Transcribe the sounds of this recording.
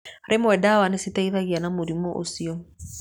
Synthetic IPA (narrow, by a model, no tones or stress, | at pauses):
aɾʔemwɛdawanesitɛiðaɣianamoɾimɔʔo̰siɔ